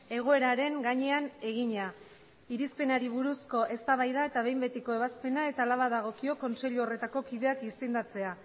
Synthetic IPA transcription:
e̞ɣ̞o̞e̞ɾaɾe̞ŋɡaɲe̞ane̞ɣiɲa | iɾispe̞naɾiβuɾusko̞ʔe̞st̪aβ̞ajðae̞t̪aβ̞e̞jmbe̞t̪iko̞e̞βaspe̞nae̞t̪aːlaβ̞aðaɣ̞o̞kio̞ko̞nse̞ʎuore̞t̪ako̞kið̞e̞akisend̪at͡se̞a

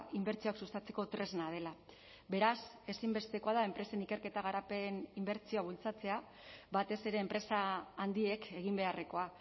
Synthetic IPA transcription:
imbe̞ɾt͡sioaksust̪at͡se̞ko̞t̪ɾe̞znað̞e̞la | be̞ɾas | e̞simbe̞st̪e̞ko̞að̞ae̞mpɾe̞se̞nike̞ɾke̞t̪aɣ̞aɾape̞nimbe̞ɾt͡sio̞aβult͡sat͡se̞a | βat̪e̞se̞ɾe̞ːmpɾe̞saːnd̪ie̞kʰe̞ɣ̞imbe̞areko̞a

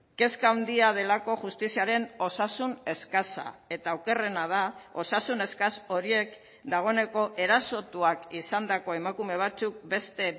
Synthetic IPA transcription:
ke̞skawnd̪iað̞e̞lako̞ʝust̪isiaɾe̞no̞sasune̞skasa̰e̞t̪awke̞re̞nað̞ao̞sasune̞skaso̞ɾie̞k | d̪aɣ̞o̞ene̞ko̞ʔe̞ɾaso̞t̪uakisand̪ako̞e̞makume̞β̞at͡suk̚be̞st̪e̞

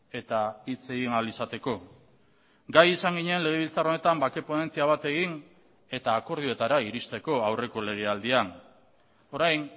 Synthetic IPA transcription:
e̞t̪ait͡se̞ɣinalisat̪e̞ko̞ | ɡajisaŋɡiɲeenle̞ɣ̞e̞βilt͡saro̞ne̞t̪ambake̞po̞ne̞nt͡siaβ̞at̪e̞ɣin | e̞t̪aːko̞ɾð̞ioe̞t̪aɾaiɾist̪e̞ko̞awre̞ko̞le̞ɣ̞e̞ald̪ian | o̞ɾajn

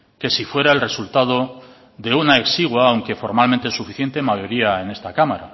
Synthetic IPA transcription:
ke̞sifwe̞ɾae̞lre̞sult̪að̞o̞ | ðe̞unae̞ksiɣwaːwŋke̞fo̞ɾmalment̪esufiθje̞nt̪e̞maʝo̞ɾiae̞ne̞st̪akamaɾa̰

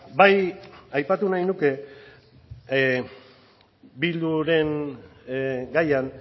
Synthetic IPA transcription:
bajajpat̪unajnuke̞ | bild̪uɾe̞n | ɡajan

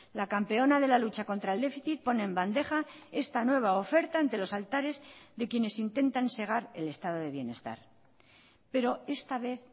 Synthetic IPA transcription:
lakampe̞o̞naðe̞lalut͡ʃako̞nt̪ɾaeld̪e̞fiθit̪̚po̞ne̞ːmband̪e̞χae̞st̪anwe̞β̞aofe̞ɾt̪aːnt̪e̞lo̞salt̪aɾe̞zðe̞kje̞ne̞sint̪e̞nt̪anse̞ɣ̞aɾe̞le̞st̪að̞o̞ð̞e̞βje̞ne̞st̪a̰ɾ | pe̞ɾo̞e̞st̪aβ̞e̞θ

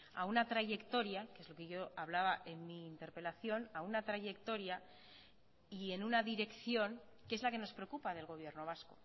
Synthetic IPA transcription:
a̰unat̪ɾaʝe̞kt̪o̞ɾjakeezlo̞keʝo̞aβ̞laβaʔe̞nmiːnt̪e̞ɾpe̞laθjo̞naunat̪ɾaʝe̞kt̪o̞ɾja | ie̞nunaðiɾe̞kθjo̞ŋ | kee̞zlake̞no̞spɾeokupaðe̞lɣ̞o̞β̞je̞ɾno̞β̞asko̰

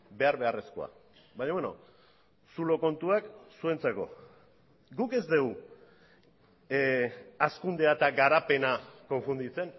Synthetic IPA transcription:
be̞aɾβe̞are̞skoa̰ | baɲaβweno̞̰ | sulo̞ko̞nt̪uaksue̞nt͡seko̞̰ | ɡuke̞zd̪e̞w | askund̪e̞at̪aɡaɾape̞nako̞ɱfund̪it͡se̞n

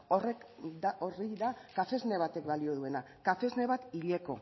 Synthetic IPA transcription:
oreoriðakafe̞zne̞β̞at̪e̞kbalio̞ð̞ue̞na | kafe̞zne̞βat̪iʎe̞ko̞̰

